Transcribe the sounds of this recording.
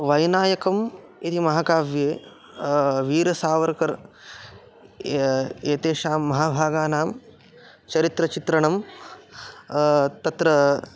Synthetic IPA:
ʋɐjnaːjɐkɐm | it̪ʰimɐɦaːkaːʋjeː | ʋiːɾɐsaːʋɐɾkɐɾ | eːt̪eːʃaːmːɐɦaːbʱaːɡaːnaːm | t͡ʃɐɾit̪ɾɐt͡ʃit̪ɾɐɳɐm | t̪ɐt̪ɾɐ

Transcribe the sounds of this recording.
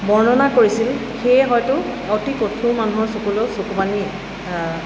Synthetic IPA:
bɔɹnɔnakoɹisil | xejɛɦɔjtʊ | otipotʰumanuɦɔɹsukulɔsokumani

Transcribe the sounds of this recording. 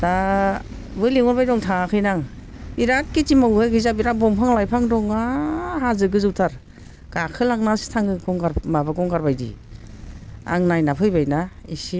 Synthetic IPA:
ta | bɯliŋɔɾbajdɔŋtʰakʰɯjnaŋiɾat̚kitimawhajɡɯzabiɾabɔmpʰaŋlajpʰaŋdɔŋahazɯɡɯzɯwtʰaɾ | ɡ̥akʰɯlaŋnasi̥tʰaŋɯɡɔŋɡaɾmabaɡɔŋɡaɾbajdḭ | a̰ŋnajnapʰɯjbajnaisi

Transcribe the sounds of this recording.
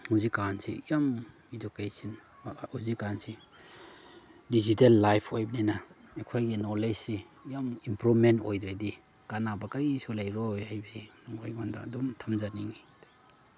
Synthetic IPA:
huzikːansḭijam | id͡ʒukesin | huzikːansi | dizitelːajpʰojbnajna | ekʰojɡinolesːi | jamimpɾumentojd̪ɾedi | kanabakajsulajɾɔjhajbɐsinuŋajɡɔnda̰dumtʰamzaniŋd

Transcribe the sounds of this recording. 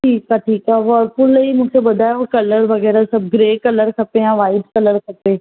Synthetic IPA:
ʈʰiːkaʈʰiːkaʋɐɾfʊlimũːkʰebɐd̪ʱaːjokɐləɾʋɐɣɛːɾasɐb̚ɡɾeːkɐləɾkʰɐpejãːʋaːɪʈkɐləɾkʰɐpeː

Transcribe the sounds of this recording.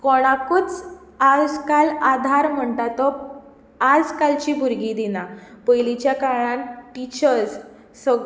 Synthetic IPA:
kɔɽ̃akut͡s | ad͡zkalad̪ʱaɾm̤əɳʈat̪ɔ | ad͡zkalt͡ɕiːbʱuɾɡid̪inapəjlit͡ɕjakaɭãnʈit͡ɕəɾd͡z | sə

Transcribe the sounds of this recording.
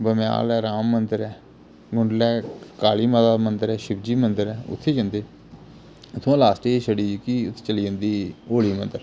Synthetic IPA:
bəmja̰ːlɛːɾaːmːənd̪əɾɛː | ɡʊɳɖlɛːkaːliːmaːd̪aːmənd̪əɾɛːʃɪb̚d͡ʒiːmənd̪əɾɛːʊ̰t̪ʰːeːd͡ʒə̃nd̪eː | t̪ʰːõãːlaːsʈiːʃəɽiːd͡ʒkiːʊt̪ʰːeːt͡ʃəliːə̃nd̪iːoːɭiːmənd̪əɾ

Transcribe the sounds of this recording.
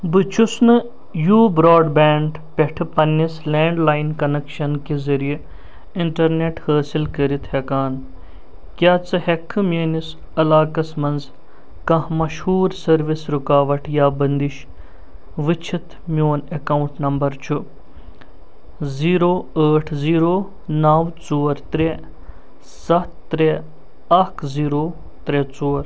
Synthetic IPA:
bɨt͡ʃʰusnɨ | juːbɾoːɖbeːɳɖ | pʲeʈʰɨpɐnːisleːɳɖlaːjnkɐnekʃɐnkezɐɾije | ɪɳʈɐɾneʈhəːsilkəɾit̪hekaːn | kʲjaːt͡sɨɦekʰːɨmʲeːnis | ɐlaːkɐsmɐnz | kɐ̃ɦmɐʃhuːɾsɐɾʋisɾukaːʋɐʈjaːbɐnd̪iʃ | ʋɨt͡ʃʰit̪ | mioːnekaːwuɳʈnɐmbɐɾt͡ʃʰu | ziːɾoːəːʈʰziːɾoː | naːwt͡soːɾt̪ɾe | sɐt̪ːɾe | ɐkʰziːɾoː | t̪ɾeːt͡soːɾ

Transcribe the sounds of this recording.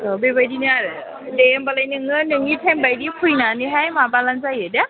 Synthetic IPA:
ɯbebajdinaɾ | dembalajnɯŋɯnɯŋitʰajmbajdipʰujnanɯɦajmabalanzajɯda

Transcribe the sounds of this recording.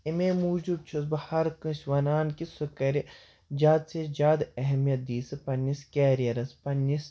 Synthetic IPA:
emeːmuːd͡ʒub̚t͡ʃʰusbɐhɐɾkɨ̃sʋɐnaːnkisukɐɾʲi | d͡ʒaːd̪sed͡ʒaːd̪ɐɦmijɐt̪̚d̪iːsɨpɐnʲːiskʲeːɾijɐɾɐspɐnːis

